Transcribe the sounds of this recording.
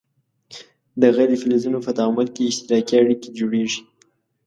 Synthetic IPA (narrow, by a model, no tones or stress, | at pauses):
d̪aɣad̪əfɪlezunofat̪ɑmalkeɪʃt̪ɪɾɑkiaɽiked͡ʒoɽeʐi̥